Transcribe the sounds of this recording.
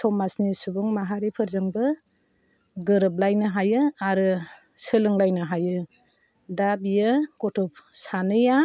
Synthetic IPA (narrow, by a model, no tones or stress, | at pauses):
tʰɔmasnisubɔŋmaɦaɾipʰɯɾzɯŋbɯ | ɡɯɾɯp̬̚lajnɯɦajɯaɾɯ | sɯlɯŋlajnɯɦajɯ | dabijɯkɔtʰɔp̚sanɯja